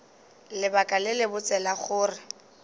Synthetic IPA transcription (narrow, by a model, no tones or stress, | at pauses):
lɪbakʼalɪlɪbʊt͡sʼɛlaχʊːrɪ